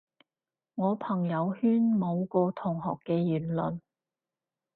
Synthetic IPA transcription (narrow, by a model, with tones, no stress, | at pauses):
ŋɔː˨˧pʰɐ˨˩ŋjɐ˨˧whyː˥nmo˨˧wkɔː˧t̪ʰʊ˨˩ŋɦɔː˨kːɛː˧jyː˨˩nlɵ˨˩n